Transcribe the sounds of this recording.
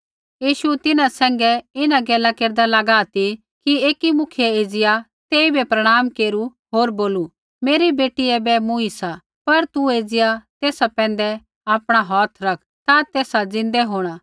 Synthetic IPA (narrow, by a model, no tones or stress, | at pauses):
jiːʃut̪ɪnãsɛ̃ːŋɡɛɪnaɡɛːlakeːɾd̪alɐɡaːt̪i | kieːkimʊkʰjɛeːd͡zɪja | t̪eːibɛpɾɐɽ̃aːmkeːɾu | ɦoːɾboːlu | meːɾibeːʈiɛbɛmũisa | pɐɾt̪ueːd͡zɪjat̪eːsapɛ̃ːn̆d̪ɛ | aːpɽ̃aɦɔːt̪ʰɾɐkʰt̪at̪eːsad͡zɪ̃nd̪ɛɦoːɽ̃aː